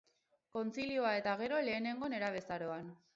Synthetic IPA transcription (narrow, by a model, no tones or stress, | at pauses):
ko̞nt͡silioae̞t̪aɣ̞e̞ɾo̞le̞ːne̞ŋɡo̞ne̞ɾaβ̞e̞saɾo̞an